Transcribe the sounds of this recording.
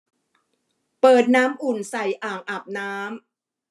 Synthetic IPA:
pɤː˨˩t̪̚naː˦˥mʔu˨˩nsa˨˩jʔaː˨˩ŋʔa˨˩p̚naː˦˥m

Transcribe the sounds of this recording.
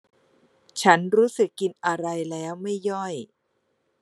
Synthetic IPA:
t͡ɕʰa˦˥nɾuː˦˥sɯ˨˩kːi˧nʔa˧ɾa˧jlɛː˦˥wma˥˩jːɔ˥˩j

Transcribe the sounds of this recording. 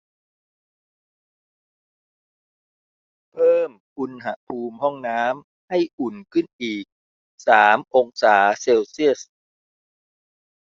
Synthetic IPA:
pʰɤː˥˩m | ʔu˧nɦa˧˩pʰuː˧mɦɔ˥˩ŋnaː˦˥m | ha˥˩jʔu˨˩nkʰɯ˥˩nʔiː˨˩k̚ | saː˩˦mʔo˧ŋsaː˩˦seː˧wsi˥˩əs

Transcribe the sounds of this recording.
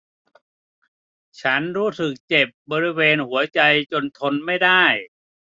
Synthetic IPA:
t͡ɕʰa˦˥nɾuː˦˥sɯ˨˩k̚t͡ɕe˨˩p̚bɔː˧ɾi˦˥weː˧nhu˩˦ɐt͡ɕa˧jt͡ɕo˧nt̪ʰo˧nma˥˩jdaː˥˩j

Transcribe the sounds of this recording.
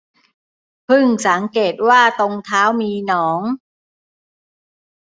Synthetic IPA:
pʰɯ˥˩ŋsa˩˦ŋkeː˨˩t̪̚waː˥˩t̪o˧ŋt̪ʰaː˦˥wmiː˧nɔː˩˦ŋ

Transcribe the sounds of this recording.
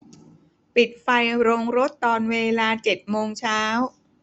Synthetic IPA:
pi˨˩t̪̚fa˧jɾoː˧ŋɾo˦˥t̪ːɔː˧nweː˧laː˧t͡ɕe˨˩t̪̚moː˧ŋt͡ɕʰaː˦˥w

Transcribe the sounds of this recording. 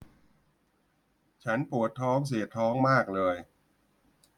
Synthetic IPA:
t͡ɕʰa˦˥npu˨˩ət̪ʰːɔː˦˥ŋs̬i˨˩ət̪ʰːɔː˦˥ŋmaː˥˩k̚lɤː˧j

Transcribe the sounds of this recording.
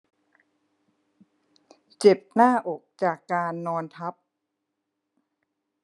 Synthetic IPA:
t͡ɕe˨˩p̚naː˥˩ʔo˨˩k̚t͡ɕaː˨˩kːaː˧nːɔː˧nt̪ʰa˦˥p̚

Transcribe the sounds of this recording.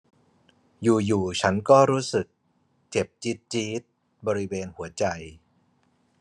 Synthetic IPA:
juː˨˩juː˨˩t͡ɕʰa˦˥nkɔː˥˩ɾuː˦˥sɯ˨˩k̚ | t͡ɕe˨˩p̚t͡ɕi˦˥t̪̚t͡ɕiː˦˥t̪̚ | bɔː˧ɾi˦˥weː˧nhu˩˦ɐt͡ɕa˧j

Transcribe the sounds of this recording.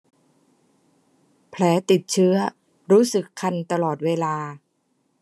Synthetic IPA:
pʰlɛː˩˦t̪i˨˩t̪̚t͡ɕʰɯ˦˥ɐ | ɾuː˦˥sɯ˨˩kʰːa˧nt̪a˧lɔː˨˩t̪̚weː˧laː˧

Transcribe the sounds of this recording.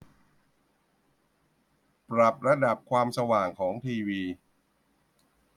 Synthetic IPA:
pɾa˨˩p̚ɾa˧da˨˩p̚kʰwaː˧msa˧waː˨˩ŋkʰɔː˩˦ŋt̪ʰiː˧wiː˧

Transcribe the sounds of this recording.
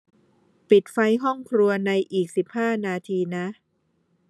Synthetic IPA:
pi˨˩t̪̚fa˦˧˥jɦɔ˥˩ŋkʰɾu˧ɐna˧jʔiː˨˩k̚si˨˩p̚haː˥˩naː˧t̪ʰiː˧na˦˥

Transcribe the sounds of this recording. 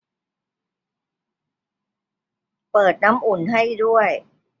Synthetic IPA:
pɤː˨˩t̪̚na˦˥mʔu˨˩nɦa˥˩jdu˥˩əj

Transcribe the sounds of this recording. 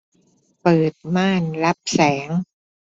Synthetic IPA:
pɤː˨˩t̪̚maː˥˩nla˦˥p̚sɛː˩˦ŋ

